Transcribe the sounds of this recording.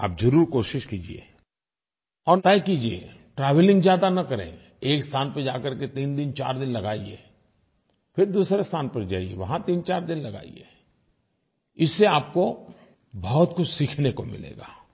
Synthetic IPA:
a̰ːp̚zɐɾuːɾkoːʃɪʃkiːd͡ʒḭḛ | ɔːɾt̪aːikiːd͡ʒiḛ | ʈɾaːʋəlɪ̃ŋɡzjaːd̪anɐkɐɾḛ̃ | eːkst̪ʰaːnpəd͡ʒaːkɐɾket̪iːnd̪ɪnt͡ʃa̰ːɾd̪ɪnlɐɡaːiḛː | pʰɪɾd̪uːsɾest̪ʰaːnpɐɾd͡ʒa̰ːiḛʋɐɦãt̪iːnt͡ʃaːɾd̪ɪnlɐɡa̰ːḭḛː | ɪsːeaːp̚ko | bʱɔːt̪kʊt͡ʃʰsiːkʰnekomɪ̰lḛːɡaː

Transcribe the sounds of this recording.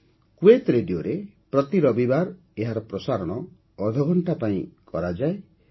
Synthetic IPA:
kuet̪ɾeɖioɾe | pɾɔt̪iɾɔbibaɾ | eɦaɾɔpɾɔsaɾɔɽ̃ɔː | ɾd̪ʱɔɡʱɔɳʈapaĩkɔɾad͡ʒae

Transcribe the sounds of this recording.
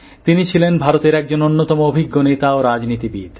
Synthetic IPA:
t̪init͡ɕʰilenbʱaɾot̪eɾɛk̚d͡ʑononːot̪ɔmoobʱiɡːonet̪aoɾad͡ʑnit̪ibid̪̥

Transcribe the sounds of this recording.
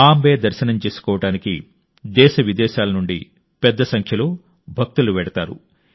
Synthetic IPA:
aːmbeːd̪ɐɾʃɐnɐmt͡ʃe̞ːsu̥kɔːʋɐʈaːnikḭ | d̪ɛːʃɐʋid̪ɛːʃaːlɐnuɳɖḭ | pɛd̪ːɐsɐŋkʰjɐloː | bʱɐk̚t̪uluʋɛːɽɐt̪aːɾṵ

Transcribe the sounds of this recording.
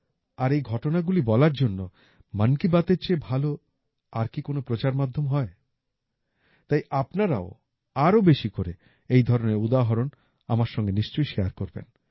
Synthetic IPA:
aɾejɡʱɔʈonaɡulibɔlaɾd͡ʑonːo | mankibat̪eɾt͡ɕebʱalo | aɾkikonopɾot͡ɕaɾmad̪ʱːomɦɔe | t̪ajʔapnaɾa̰o | aɾobeʃikoɾe | ejd̪ʱɔɾoneɾud̪aɦoɾon | a̰maɾʃɔŋɡeniʃt͡ɕojʃeaɾkoɾbḛn

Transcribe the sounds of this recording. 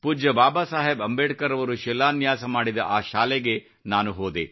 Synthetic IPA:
puːd͡ʒɐbaːbaːsaːɦebɐmbeːʈkɐɾɐʋɐɾuʃɛlːaːnjaːsɐmaːɽid̪ɐʔaːʃaːleɡe | naːnuɦoːd̪ḛ

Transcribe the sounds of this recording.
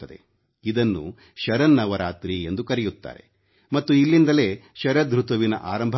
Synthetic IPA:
ɐd̪e | id̪ɐnːṵ | ʃɐɾɐnːɐʋɐɾaːt̪ɾiend̪ukɐɾɛjut̪ːa̰ːɾe̞̰ | mɐt̪ːuilːind̪ɐle̞ːʃɐɾɐd̪ɾut̪ɐʋinɐ̰ʔaːɾɐmbʱ

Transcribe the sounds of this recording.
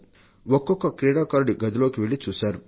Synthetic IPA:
ʋɔkːɔkːɐkɾeːɽaːkaːɾɖiɡɐd̪ɐloːkiʋeɭit͡ʃusɐɾ

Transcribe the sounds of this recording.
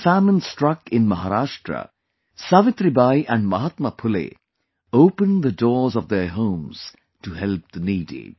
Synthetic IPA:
fæmə̃nsʈɾʌkɪ̃nmɐɦaɾaːʃʈɾə̰ | saʋɪt̪ɾibajʔæ̃ɳɖmʌɦat̪məpʰʊlḛ | oʊpə̃nd̪ədɔːɹzɔʋd̪əɦõːmz̥ | tuɦɛlp̚d̪əniːdḭ

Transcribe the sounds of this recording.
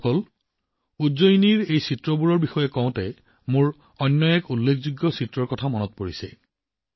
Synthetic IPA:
ol | uzojniɹejsitɹɔbuɹɔɹbixɔjɛkɔʊ̃tɛ | mʊɹ | ɔjnːɔɛkulːekʰzuɡjɔsitɹɔɹkɔtʰamɔnɔt̚poɹisɛ̰

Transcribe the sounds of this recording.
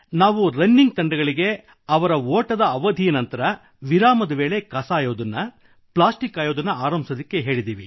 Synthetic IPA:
naːʋuɾɐnːiŋɡ̚t̪ɐɳɖɐɡɐɭiɡe̞ | ɐʋɐɾɐoːʈɐd̪ɐːʋɐd̪ʱijɐnɐnt̪ɐɾɐ | ʋiɾaːmɐd̪ɐʋeːɭe̞kɐsaːjoːd̪ɐnːɐ | plaːsʈikːaːjoːd̪ɐnːɐaːɾɐmbʱisɐd̪ikːe̞ɦe̞ːɭid̪iːʋi

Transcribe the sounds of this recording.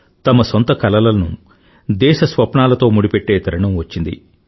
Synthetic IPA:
t̪ɐmɐsont̪ɐkɐlɐlɐlɐnu | d̪ɛːʃɐsʋɐpɳaːlɐt̪o̞ːmuɽipeʈːe̞ːt̪ɐɾɐɳɐmʋɐt͡ʃːind̪ḭ

